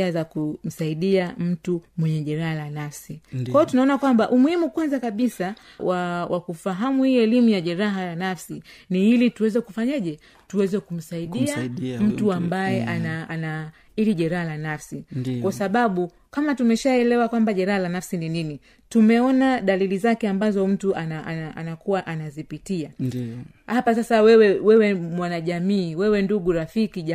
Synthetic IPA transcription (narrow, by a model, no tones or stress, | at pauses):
azakum̩saiɗiam̩tumwɛɲɛʄɛɾahalanafsikwajɔtunaɔnakwambaʔumuhimukwanzakaɓisa | wawʔakufaɦamuhiːɛlimujaʄɛɾaɦalanafsiniilituwɛzɛkufaɲaʄɛ | tuwɛzɛkum̩saiɗiam̩tuambajɛʔanana | iliʄɛɾahalanafsikwasaɓaɓu | kamatumɛʃaɛlɛwakwambaʄɛɾahalanafsininini | tumɛɔnaɗalilizakɛambazɔm̩tuʔanaʔanaa̰nakuwaʔanazipitia | hapas̬asawɛwɛwɛwɛmwanaʄamiːwɛwɛnduɡuɾafikiʄa